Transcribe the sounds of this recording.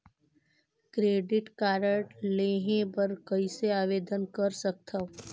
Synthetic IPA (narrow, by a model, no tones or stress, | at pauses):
kɾeːɖɪʈkaːɾəʈleːɦẽbɐɾkɐiseaːʋeːd̪ənkɐɾsək̚t̪ʰa